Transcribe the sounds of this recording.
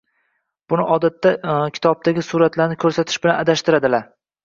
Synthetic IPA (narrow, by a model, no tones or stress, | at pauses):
b̥ʊnɪʔɒd̪at̪ːakʲʰɪ̥t̪ʰɒb̚t̪ʰaɡʲɪsuɾat̪laɾnɪkʰɵɾsat̪ʰɪʃbɪlanad̪aʃt̪ɪɾad̪ɪlaɾ